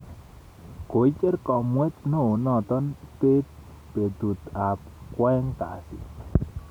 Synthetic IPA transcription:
ko˨i˦t͡ʃe˦rkɔ˨mwɛ˦t̪no˦˨nɔ˦˨t̪ɔ˦npe˦t̪̚ | pe˨t̪u˨t̪a˨p̚ | kwɛ˦ŋka̰˨sɪ̰˨

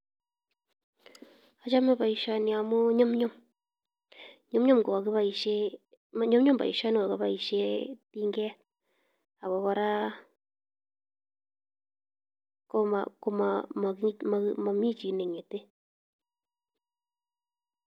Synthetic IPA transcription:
a˨t͡ʃa˦ma˦βa˨i˨ʃa˨ni˨a˨mu˦ɲo˦mɲo˦m | ɲo˦mɲo˦mɡo˨a˨ki˦βa˦i˨ʃe˦ | m˦ɲo˦mɲo˦mba̰˨ḭ˨ʃa˦ni˦wa˨ka˦βa˦i˨ʃe˦ti˦ŋɡɛ˦ | a˨βo˨˦βa˧ɾa˦ | ko˦ma̰˨ko˦ma˨ma˨˦ma˨˦ma˨mi˦t͡ʃi˨ne˨ɲe˨te˦

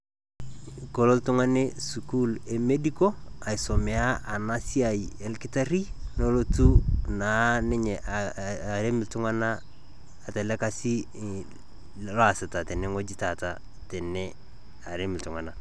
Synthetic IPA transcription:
ko˨lo˦ltu˦ŋa˦ne˦su˨ku˦le˨me˦di˦ko˦a˨i˨so˨me˨a˦ʔa˨na˦si˦a˨je˨lkɪ˦ta˦ɾi˦no˦lo˦tu˦na˨nɪ˦ɲɛ˨ʔaɾe˦mɪ˨ltu˦ŋa˦naː˦˨ | te˨le˦ka˦si˦ | la˨sɪ˨ta˨te˨ne˦ŋo˦d͡ʒi˦ta˨ta˨ | tɛ˨nɛ | a˨ɾe˦mɪ˨ltu˨ŋa˨na˨

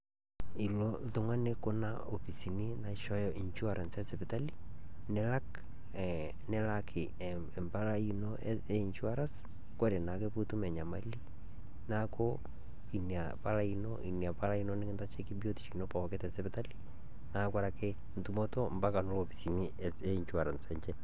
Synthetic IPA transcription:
i˨lo˦ðo˦ŋa˦ne˦ko˦na̰o˨pi˨si˨ni˦na˨iʃɔ˦jɔʔi˨ɲt͡ʃu˦a˨ɾa˨nsɛ˦se˨pe˨ta˦li˦ | nɛ˦la˦k | nɛ˦lakʰɪ˨ | ɛ˨mba˦la˦i˦no | e˦ɲt͡ʃwa˦ɾa˦s | kwe˦ɾe˨na˨ke˦pu˦tu˦mɛ˨ɲa˨mali˦ | na˦kʰo˦ | i˨na̰˨pa˦la˦i˦nɔ̰˦ʔḭ˨ni˨a˨pa˦la˦i˦none˦kɪ˦nta˦t͡ʃe˦ki˦bi˦o˦ti̥˨t͡ʃii˨no˦pɔ˨ke˦tɛ˨sɛ˦pɛta˦li̥˦ | na˦kwa˦ɾa˨ke˦ | n̩tu˦mɔ˦to˦mba˦ka˨no˦lo˨pisi˨ni˦ | e˦iɲt͡ʃwa˨ɾa˨nsɛɲt͡ʃɛ˦

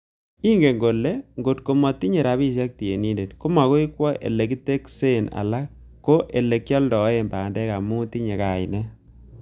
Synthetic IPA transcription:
i˦ŋɡe˨ŋɡo˨le˦ŋɡo˨t̚ko˨mɔ˨ti˦ɲe˨ɾa˨bi˦ʃa˦k̚ti˨je˨ni˦nde˨tko˦ma˨ko˦i˦kwɔ˦ʔḛ˨le˨ki˦te˦kse˦˨na̰˨la˦kː | o˦ʔe˨le˨kjɔ˦ldɔ˨˦e˨mbaː˨ndɛ˦ka˨mu˦ti˦ɲe˨ka˨ɪ̰˨nɛ˦

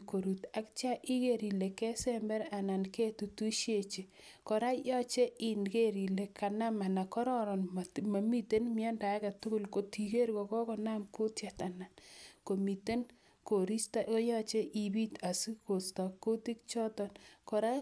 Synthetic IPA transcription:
ko˨ɾu˨ta˨kt͡ʃa˦ʔi˦ke˨ɾi˨le˨kɛ˦sɛmbɛ˦ɾa˨na˨nke˦tu˨tu˦ʃje˦˨t͡ʃe˨ | kɔ˨ɾa˦jɔ˦t͡ʃe˦ɪ˨nke˦ɾi˨le˨kʰa˨na˦ma˨na˨kɔ˦ɾɔ˦ɾɔ˨nma˨mi˦te˦nmɪɔ˦nda˨˦ka˨tʊ˦kʊ˦˨lko˨ti˨ke˦ɾkɔ˨kɔ˦kɔ˨na˦mko˦tja˨ta˨na˨nko˨mi˨te˦n | ko˨ɾi˦stakjɔ˦t͡ʃe˦ʔi˨bi˦ta˨si˦ko˨stɔ˨kːo˦ti˦kt͡ʃɔ˦tɔ˨nkɔ˨ɾa˦

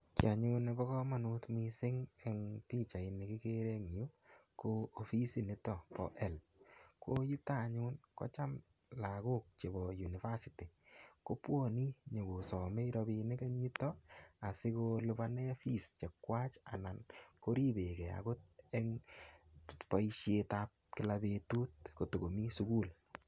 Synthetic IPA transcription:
kja˨ɲu˧ne˧bɔ˦kɔ˦ma˨nu˦tmi˧sɪ˦ŋe˨ŋpi˦t͡ʃa˨i˨ne˨ki˦ke˦ɾe˦ŋ˨ju˦ko˦o˨fi˦si˦nɪ˦tɔ˦pɔ̰˨ʔɛ˦˨l | kʰo˦ju˦ta˦ɲu˦nkɔ̰˦t͡ʃa˦m | la˨ku˦k̚t͡ʃe˨bɔ˨ju˨ni˨fa˦si˨ti˨ko˦pwo˦ni˦ɲo˨ɡo˨sɔ˨me˦ɾɔ˧bi˧nɪ˦ke˦ɲi˦tɔ˦a˨sɪ˦ko˧lʊ˦ba˦ne˦fi˦st͡ʃe˨kwa˦t͡ʃa̰˨na˨nko˦ɾi˦be˨kɛ˨a̰˨ko˦t̚e˦ŋ | spa˦iʃje˧ta˧p̚kɪ˨la˧be˧tu˦t̚ko˨to˨ɡo˨mi˦su˦ku˦l

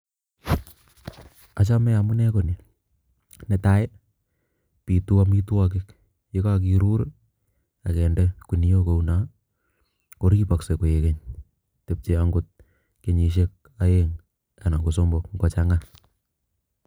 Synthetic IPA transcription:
a˨t͡ʃa˦mɛ˦a˨mu˦nɛ˦ko˨ni˨ | nɛ˦ta˦e˦ | pi˨tu˦a˦mi˦twa˦k̬ɪ˦k | je˦ka˦k̬i˨ɾu˦ɾ | a˨kɛ˨nde˦ku˨ni˦jo˦ko˨una˨˦ | ko˨ɾki˦pa˨kse˨ko˨je˨ke˦ɲ | te˨p̚t͡ʃe˨a˦ŋɡʊ˦t̚ | ke˨ɲi˨ʃ̬e˦k̚ | a˦je˦ŋ | a˨na˨ŋɡo˨so˦mbo˦kŋɡɔ˨t͡ʃa˦ŋa˦

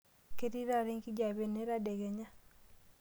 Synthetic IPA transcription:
ke˦ɾi˦ɾa˦˨ɾi˦ŋki˦d͡ʒa˨βe˨ne˦ɾa˦de˨ɡe˨ɲa˦

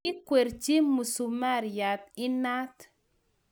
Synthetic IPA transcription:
ɪ˦kwe˨ɾt͡ʃi˦mu˨su˨ma˦ɾja˨t̪ɪ˦na˦t̪

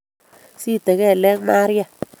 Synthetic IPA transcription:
si˦t̪ɛ˨ɣɛ˦˨lɛ˦kma˦ɾja˨

